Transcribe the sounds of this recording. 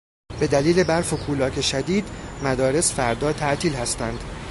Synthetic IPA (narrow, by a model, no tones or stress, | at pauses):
be̞d̪æliːle̞bæɾfokʰuːlɒːkʰe̞ʃæd̪iːd̪mæd̪ɒːɾe̞sfæɾd̪ɒːt̪ʰæʔt̪ʰiːlhæst̪ænd̪̥